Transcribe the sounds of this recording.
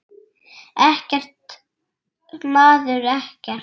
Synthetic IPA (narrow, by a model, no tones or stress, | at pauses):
ɛhcɛr̥t̪ | maːðʏɾɛhcɛ̥